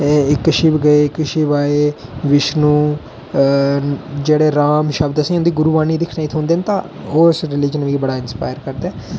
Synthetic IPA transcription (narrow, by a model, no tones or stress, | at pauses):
ɪkːʃibɡəeːɪkːʃibaːeːʋɪʃnũː | d͡ʒeːɽeːɾaːmʃəbd̪əsĩːʊ̃nd̪iːɡʊɾuʋaːniːd̪ɪkʰnaĩːt̪ʰõːnd̪eːnt̪ã̰ː | oːɪsɾɪlɪd͡ʒənʋiːbəɽaːɪnspa̰ːjəɾkəɾd̪eː